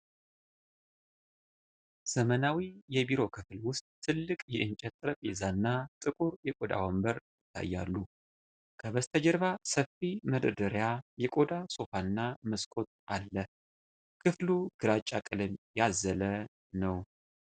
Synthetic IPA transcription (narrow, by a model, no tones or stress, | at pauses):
z̥əmənawijɛbiɾo̞kʰɨflwʊst̪ʼːʰɨlːɨkʼjɛʔɨnt͡ʃʼɛt̪ʼːɨɾəpʼezanːat̪ʼɨkʼuɾjɛkʼo̞d̪a̰wɔmbəɾjɪt̪ʰːa̰jːa̰lːu | kʰəβəst̪ʰəd͡ʒɛɾβasəfiməd̪əd̪əɾjajɛkʼo̞d̪aso̞fanːaməskʼo̞t̪̚ʔalːə | kʰɨfluɡ̥ɨɾat͡ʃʼakʼɨlɨmjazːələ | nəw